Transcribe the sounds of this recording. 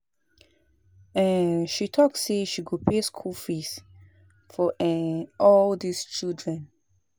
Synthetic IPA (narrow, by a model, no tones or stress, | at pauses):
ɛ̃nʃitʰɔkseʃiɡopʰeskʰulfis | fɔʔɛ̃ɔldist͡ʃildɹɛ̃n